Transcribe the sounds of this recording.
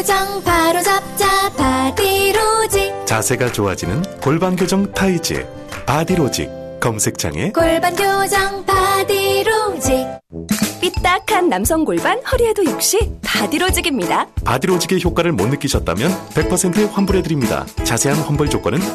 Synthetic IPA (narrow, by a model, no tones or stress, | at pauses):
d͡ʑʌŋpaɾod͡ʑap̚t͡ɕ͈apad̪iɾod͡ʑik̚t͡ɕasʰe̞ɡat͡ɕoɦad͡ʑinɯnkoɭbanɡjod͡ʑʌŋtʰaid͡ʑḭ | padiɾod͡ʑḭk̚ | k͈ːʌmsʰe̞k̚t͡ɕʰa̰ŋe̞̰koɭbanɡjod͡ʑʌŋpad̪iɾod͡ʑik̚ | p͈it͈akʰanːamsʰʌŋɡoɭbanhʌɾiedojok̚ɕ͈ipadiɾod͡ʑiɡimɲidapadiɾod͡ʑiɡe̞çjok͈waɾɯɭmonːɯk͈iɕʰʌt̚t͈a̰mjʌnpe̞k̚pʰʌsʰe̞ntʰɯɸwanbuɾɦe̞dɯɾimɲida̰t͡ɕasʰe̞ɦanɸwanbuɭd͡ʑok͈ʌnɯn